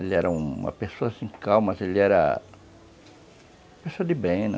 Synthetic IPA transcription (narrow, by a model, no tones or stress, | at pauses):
elɪɛɾɐũmɐ̰pesoɐsĩkawmɐzeliɛɾɐ̰ | ɐpesoɐd̪ɪbẽj̃ñ̰